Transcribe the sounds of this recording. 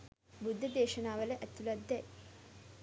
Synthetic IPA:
bud̪ʱːɐd̪eːʂɐnaːʋɐleʔɐt̪ːulɐd̪ːɐ

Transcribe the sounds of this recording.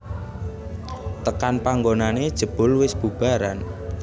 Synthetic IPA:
t̪əkanpaŋɡonaned̥ʒ̥ə̤b̥ʊ̤lwɪsb̥ub̥a̤ɾan

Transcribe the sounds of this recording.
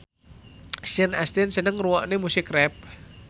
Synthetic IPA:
sənast̪ɪnsənəŋruwɔʔnemusɪkrɛp̚

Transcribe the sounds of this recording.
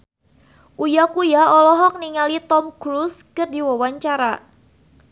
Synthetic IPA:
ʔujakujaɔlɔɦɔk̚niŋalit̪ɔmkɾuskərdiwawaɲt͡ʃaɾa

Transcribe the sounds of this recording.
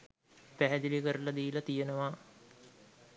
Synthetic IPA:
pæɦɛd̪ilikəɾulad̪iːlat̪ijenəʋa

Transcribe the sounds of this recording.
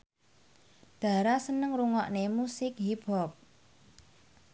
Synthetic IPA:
d̪̥ä̤ɾasənəŋruŋɔʔnemusɪk̚ɦib̥ɔp̚

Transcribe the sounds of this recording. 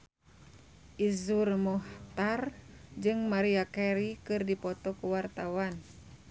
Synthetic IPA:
ʔizurmɔht̪ard͡ʒɨŋmaɾiakɛɾikɨrdipɔt̪ɔkuwart̪awan

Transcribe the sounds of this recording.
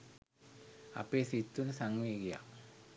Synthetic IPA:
a̰peːsit̪ːunəsaŋʋeːɡija̰

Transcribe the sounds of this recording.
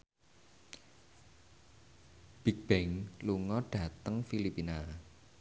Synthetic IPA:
b̥ik̚b̥ɛŋluŋɔɖ̥ä̤t̪əŋfilipina

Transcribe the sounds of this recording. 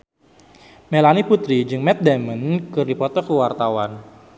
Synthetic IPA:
melaniput̪ɾid͡ʒɨŋmɛt̪̚damənkɨrdipɔt̪ɔkəwart̪awan

